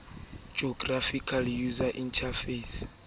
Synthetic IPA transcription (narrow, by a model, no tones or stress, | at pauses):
d͡ʒɔɡrafikʰaljuzaʔintʰafes